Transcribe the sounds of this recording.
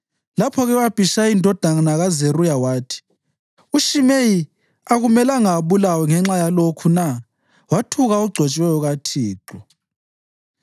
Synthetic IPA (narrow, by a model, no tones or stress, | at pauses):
lapʰɔɣɛwab̥ʱiʃaindʱɔd̥ʱananaɣazerujawaːtʰi̥ | uʃimeji | aɣumɛlaŋaβulawɛŋɛŋ͡ǁajalokʰuna | watʰuɣauɡ͡ǀʱɔt͡ʃʼwɛjɔɣatʰiːǁʱɔ